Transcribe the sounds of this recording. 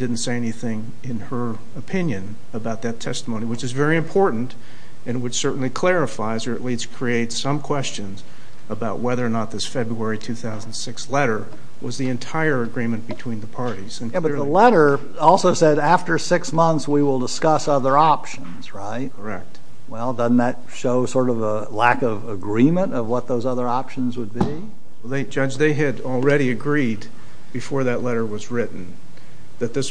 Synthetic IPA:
d̥ɪdⁿn̩tseɪɛniθɪ̃ŋ | ɪ̃nə˞ | ɨpʰɪ̃njɨ̃n | əbaʊt̪̚ðɨtʰɛstəmõʊ̃niwɨt͡ʃɨzvɛɹiɨ̃mpʰɔɹʔn̩t | ɨ̃nwɨt͡ʃsɜ˞ʔn̩likʰl̥ɛɹɨfaɪzə˞ɨ̰ʔˡliskʰɹ̥ieɪtsʌ̃mkʰw̥ɛst͡ʃɨ̃nz | əbaʊʔ̚wɛðə˞ənət̪̚ðɪsfɛbɹuɛɹitʰʉθaʊzn̩sɪkslɛɾə˞ | wʌzðiɨ̃ntʰaɪə˞ɨɡɹĩmɨ̃nb̥ɨtʰw̥ĩnðəpʰɑɹɾiz̥ɨ̃nbʌðəlɛɾə˞ | ɔlˠsoʊsɛɾæftə˞sɪksmʌ̃nθswiwɪlˠdəskʌsʌðə˞ɑpʃɨ̃nz̥ɹaɪt̚kʰə˞ɛ̰k̚t̚ | wɛlˠdʌdⁿn̩ðɨt̚ʃoʊsɔɹɾʌvə | lækʌvəɡɹĩmɨ̃ntʌvwʌt̪̚ðoʊzʌðə˞ɑpʃɨ̃n̩zwəd̚bi | ɛðeɪd͡ʒʌd͡ʒðeɪɨɾl̩ˠɹɛɾiɨɡɹid̚ | bɨfɔɹðɨtˡlɛɾə˞wʌzɹɪʔn̩ | ðɨt̪̚ðɪs

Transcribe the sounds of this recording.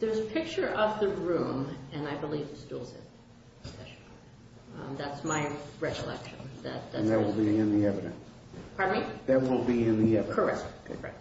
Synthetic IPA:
ðə˞zpʰɪk̚t͡ʃə˞ʔʌvðɨɹũmɨ̃naɪbəlivɨtstulˠz̥ɪ̰̃n | ɛ | ðætsmaɪɹɛkəlɛ̰kʃɨ̃nðɨ̰t̪̚ðɨ̃nðɨt̚wəlˠbiɪ̃nðiɛvɨɾɨ̰̃ns | pʰɑɹdn̩iðɨt̚wɪlˠbiɪ̃nðiɛvkʰə˞ɛ̰kʰɹɛ̰

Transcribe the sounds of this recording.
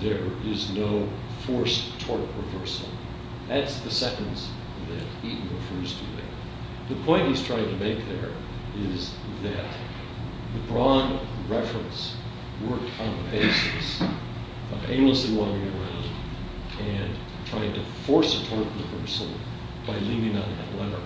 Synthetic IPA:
ðə˞ɪznoʊ | fɔɹstʰɔɹpʰɹɨvɜ˞sl̩ˠ | ðætsðɨsɛɾn̩z | ðɨɾiʔn̩ɹɨfɜ˞z̥tʰɨ̰ðɨ̰t | ðɨpʰɔ̃ɪ̃nʔhiz̥tʰɹ̥aɪɪ̃ŋtʰɨmeɪk̚ðə̰˞ | ɪz | ðɨt̪̚ | ðɨbɹɑ̃ndɹɛfɹə̃ns | wɜ˞k̚tʰn̩ðəbeɪsɨs | ʌ̃mʔḛ̃ɪ̃nmləsliwʌ̃njɪɹɹõn | ɨ̃n | tʰɹ̥aɪɪ̃ŋtɨfɔɹsɨtʰɔɹpɹɨvɜ˞sl̩ˠ | b̥aɪlivɪ̃ŋə̃nɨ̰tˡlɛɾə˞

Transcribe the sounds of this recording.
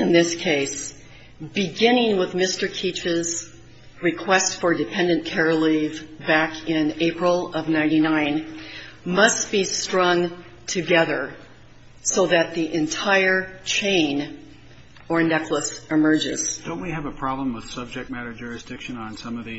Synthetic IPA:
ɨ̃nðɪskʰeɪs | b̥ɨɡɪ̃nɪ̃ŋwəðmɪstə˞kʰit͡ʃɨz | ɹɨkʰw̥ɛstfə˞dɨpʰɛ̃ndɨ̃nkʰɛɹlˠivbækʰɪ̃neɪpɹl̩ˠʌvnãɪ̃ɾ̃inãɪ̃n | mʌsb̥istɹ̥ʌ̃ŋ | tʰɨɡɛðə˞ | soʊðɨt̪̚ðiʔɨ̃ntʰaɪə˞t͡ʃʰẽɪ̃n | ə˞nɛkʰləsɨmɜ˞d͡ʒɪ̰z̥d̥õʊ̃nt̚wiɨvəpʰɹ̥ɑblə̃mwəð̥sʌb̚d͡ʒɨk̚t̚mæɾə˞d͡ʒʊɹɨsd̥ɪkʃɨ̃ñn̩sʌ̃mʌvðɨ

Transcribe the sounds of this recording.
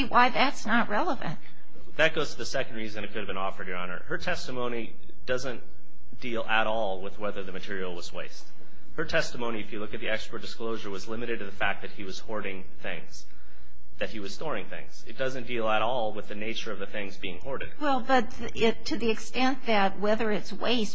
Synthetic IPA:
wʔaɪðætsnət̚ɹɛlˠəvɨ̰̃nt̚ | ðɨt̚ɡ̥oʊz̥tʰəðɨsɛkn̩d̚ɹizɨ̃nɨt̚kʰʊɾɨvbɨ̃nɔfə˞djə˞ɑnə̰˞ə˞tʰɛstəmõʊ̃ñi | d̥ʌzɨ̃n | d̥ilˠəɾɔlˠwɪðwɛðə˞ðɨmɨtʰɪɹil̩ˠwʌzweɪst̚ | hə˞tʰɛstəmõʊɾ̃iɨfjɨlʊkɨt̪̚ðiɛkspɹəd̥ɨskloʊʒə˞wʌzlɪ̃mɨɾɨd̚tʰɨðɨfæk̚ðɨt̚hiwʌz̥hɔɹɾɪ̃ŋ | θɪ̰̃ŋz̥ | ðɨt̚hiwʌz̥stɔɹɪ̃ŋθɪ̰̃ŋz̥ɨt̚d̥ʌzɨ̃nd̥ilˠəɾɔlˠwɨðɨneɪt͡ʃə˞ʌvðɨθɪ̃ŋzbiɪ̃ŋhɔɹɾɨ̰d̥̚wɛlˠbʌt̪̚ð | ɪtʰɨðiɨkstɛ̃nðɨt̚wɛðə˞ɨtswḛɪst

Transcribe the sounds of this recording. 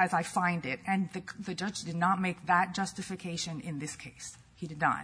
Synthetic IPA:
ɨzaɪfãɪ̃ndɪt̚ɨ̃nðɨðɨd͡ʒʌt͡ʃd̥ɨdⁿnət̚meɪk̚ðət̚d̥ʒ̥ʌstɨfɨkʰeɪʃɨ̃nɪ̃nðɪskʰeɪs | hiɾɨdⁿna̰

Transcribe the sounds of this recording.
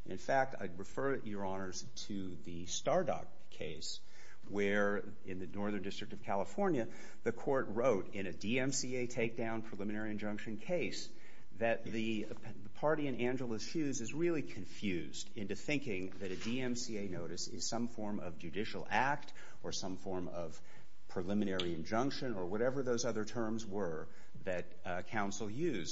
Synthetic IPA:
nɨ̰̃nfæk̚tʰa̰ɪd̚ɹɨfɜ˞jə˞ɑnə˞z̥tʰɨ | ðɨstɑɹdɑ̰kʰːeɪs | wə˞ | ɪ̃nðɨnɔɹðə̃˞ndɪstɹ̥ɨk̚tʌv̥kʰælˠəfɔɹnjɨ | ðɨkʰɔɹt̚ɹoʊɾɪ̃ñɨdiɛ̃msieɪtʰeɪk̚d̥ãʊ̃npʰɹ̥ɨlɪ̃mɨnɛɹiɨ̃nd͡ʒʌ̃ŋkʃɨ̃nkʰeɪs | ðɨt̪̚ði | əpʰɑɹɾiɨ̃næ̃nd͡ʒl̩ˠəz̥ʃʉzɨzɹɪlˠikʰɨ̃ɱfjʉzdɪ̃ntʉθɪ̃ŋkɪ̃ŋðɨɾɨdiɛ̃msieɪnoʊɾɨsɪ̰z̥sʌ̃ɱfɔɹmʌ̰vd͡ʒɨdɪʃl̩ˠæk̚t | ə˞sʌ̃ɱfɔɹmʌv̥ | pʰɹ̥ɨlɪ̃mɨnɛɹiɨ̃nd͡ʒʌ̃ŋkʃɨ̃nə˞wʌɾɛvə˞ðoʊzʌðə˞tʰɜ̃˞mzwə˞ | ðɨt̚ | kʰãʊ̃nsl̩ˠjʉz

